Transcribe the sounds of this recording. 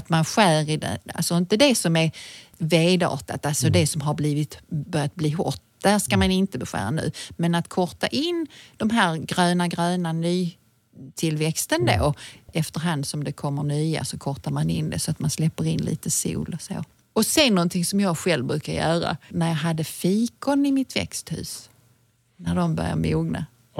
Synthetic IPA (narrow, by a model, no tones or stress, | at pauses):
at̪manɧæːɾɪd̪ɛ̰a̰lsɔɪnt̪əd̪ɛsɔmɛveːd̪ɑ̰ːʈ̪at̪alsɔd̪ɛsɔmɦaɾbliːvɪt̪bœɾjat̪̚bliːɦʊ̰ʈː | d̪̥ɛhæːʂkamanɪnt̪əbɛɧæ̰ːɾa̰nʉ̟̰ːmɛnat̪kʰɔɾt̪a̰ʔɪnd̪̥ɔmɦæːɾɡɾœːnaɡɾøːnanyː | t̪ʰɪlvɛkst̪ənd̪o̰ːɛft̪əɾɦand̪sɔmd̪ɛkʰɔmːəɳyːa̰sɔkʰɔɾt̪amanɪnd̪ɛ̰sɔat̪manslɛpːəɾɪnlḭːt̪əsṵːlɔso̰ː | ɔsɛnːɔnt̪ʰɪŋsɔmjɑːɡɧɛlvbɾʉ̟ːkaɾjœːɾa̰næɾjɑɦad̪ːəfiːkʊnɪmɪt̪vɛ̰kst̪hʉ̟̰ːs | næɖɔmbœ̰ɾja̰ɾmuːɡna̰